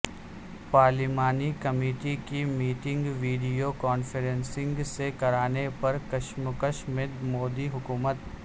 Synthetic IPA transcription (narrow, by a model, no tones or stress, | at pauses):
paːɾlɪmaːnikɐmeːʈikimiːʈɪ̃ŋɡʋiːɖijokɔːnfeɾẽnsɪ̃ŋɡsekɐɾaːnepɐɾkɐʃmʊkəʃmɪd̪moːd̪iɦʊkuːmət̪